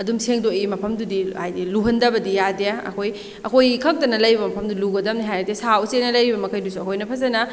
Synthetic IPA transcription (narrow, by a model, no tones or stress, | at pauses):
ɐdumseŋdoʔimɐpʰɐmdudihajdiluɦɐndɐbɐdijadeaɐ̰kʰoj | ɐkʰojkʰɐk̚tɐnɐlɐjɾibɐmɐpʰɐmduluɡɐdɐmniɦajɐtesausenɐlɐjɾibɐmɐkʰɐjdusuɐkʰojnɐpʰɐzɐnɐ